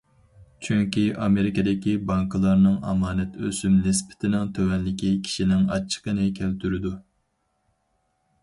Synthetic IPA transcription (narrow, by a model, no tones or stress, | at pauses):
t͡ʃʰyŋkʲiʔɑmeɾɪked̪ɪkʲibɑŋkʰɨlˠɑɾnɨŋɑ̰mɑːnɛt̪ʰøsymnɪspɪ̥t̪ʰɪnɪŋt̪ʰøwɛnːɪkʲikʲʰi̥ʃinɪŋɑt͡ʃʰːə̥qənɨkʲʰælt̪ʰyɾɪd̪u